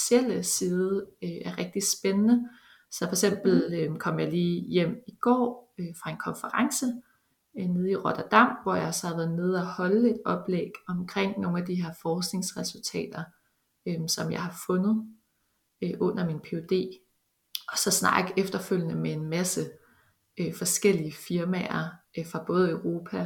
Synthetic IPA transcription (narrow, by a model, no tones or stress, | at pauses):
sel̰əsiːðˠəʔæɐʁɛɡ̥̚d̥i̥sb̥enənə | sɒfɒ̽ɐe̥sem̰b̥l̩økʰɒ̽m̰jɑ̈ɪliːjem̰iɡ̥ɒ̰ːfʁɑ̈e̝nkʰɒ̽nfəʁɑ̈ŋsə | ne̝ð̞ˠiʁɔd̥ɐd̥ɑ̈m̰ʋɒjɑ̈ɪsɒhɑðʋæːð̩ˠne̝ð̞̩ˠæhɒ̽ləe̝d̥ɒ̽b̥leɡ̥ɒ̽mkʰʁeŋ̰no̝ːnæd̥iɦe̝ɐ̰fɒːsɡ̥ne̝ŋsʁɛsult͡sʰɛ̰ːd̥ɐ | øsɒ̽mjɑ̈ɪhɑ̈fɔ̽nð̩ˠ | ʔɔ̽n̰ɐminpʰe̝od̥e̝̰ː | ɒ̽sɒ̽snɑ̰̈ːɡ̥efd̥ɐføl̰jnəmee̝nmæsə | fɒ̽sɡ̥el̰iəfiɐmæɐfʁɑ̈b̥ɔ̽ːð̞̩ˠəʊʁo̝ːpʰæ